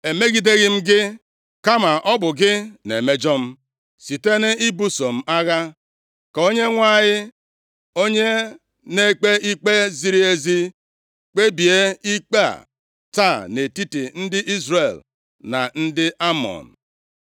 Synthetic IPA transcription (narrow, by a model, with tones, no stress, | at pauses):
e˨me˦ɡi˨de˦ɣɪ˦m̩˦ɡɪ˦ | ka˦ma˨ʔɔ˦bʊ˨ɡɪ˦nḛ˨me˦d͡ʒɔ˦m̩˦ | si˨te˦nɪ˦i˦bu˦so˨m̩˨a˦ɣa˦ | ko˦ɲe˦ŋʷa˦˨ɲɪ˦ | o˦ɲe˦ | ne˦k͡pe˦i˦k͡pe˦zi˦ɾi˦e˦zi˦ | k͡pe˦bi˨e˦i˦k͡pa̰˦˨ | ta˦˨ne˨ti˦ti˨n̩˦dɪ˦ʔi˦zɾe˨l | na̰˨n̩˦dɪ˦ʔa˦mɔ̰˨n˨